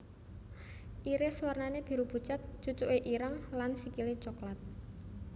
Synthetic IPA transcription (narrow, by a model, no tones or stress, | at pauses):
ʔiɾeswarnaneb̥i̤ɾub̥ṳt͡ʃat̪̚t͡ʃut͡ʃuʔeʔiɾəŋlansikilet͡ʃɔklat̪̚